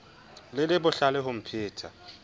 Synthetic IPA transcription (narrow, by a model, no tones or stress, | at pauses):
lɪlɪbʊɬalɛɦʊm̩pʰɪːtʰa